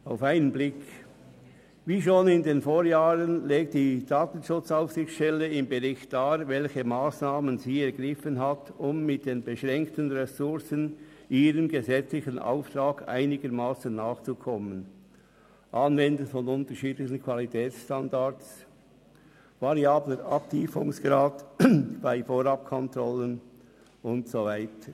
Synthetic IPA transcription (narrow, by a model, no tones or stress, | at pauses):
aʊfaɪnənblɪk | viːʃoːnɪndeːnfoːʁjaːʁənleːk̚td̥iːd̥aːtən̩ʃʊt͡saʊfsɪxʃtɛləɪmbəʁɪçt̚d̥aːvɛlçəmaːsnaːmənziːɛɐʁɡʁɪfənɦatʊmːɪt̚d̥eːnbəʃʁɛŋktənʁɛsʊʁsənʔiːɾəmɡəzɛt͡slɪçənʔa̰ʊft̪ɾaːɡa̰ɪnɪɡəɾmaːsənːaːxt͡sukʰɔmən | ʔɑnvɛndənfɔnʊntəɾʃiːtlɪçən̩kʰv̥alitʰɛːsʃtandat͡s | vaɾiaːbləɾɑp̚tʰiːfʊŋsɡ̥ɾaːtb̥aɪfoːɾɑp̚kʰɔntɾɔlən | ʊntsovaɪtə